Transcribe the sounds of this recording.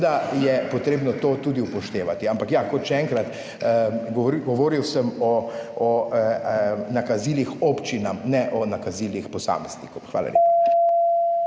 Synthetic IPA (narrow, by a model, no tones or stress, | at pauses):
d̪ajɛpɔt̪ɾeːbnɔt̪oːt̪uːd̪iupɔʃt̪eːʋat̪iampakjakɔt̪ʃɛɛːŋkɾat̪ | ɡɡɔʋoːɾiwsəmɔː | nakaziːlixopt͡ʃinamnɛʔɔnakaziːlixpɔsa̰ːmɛz̥nḭkɔwxʋa̰ːla̰lʲʔḛpa